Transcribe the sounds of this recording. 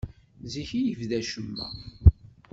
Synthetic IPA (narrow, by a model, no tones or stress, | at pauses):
ziçijəvðæʃəmːæ̰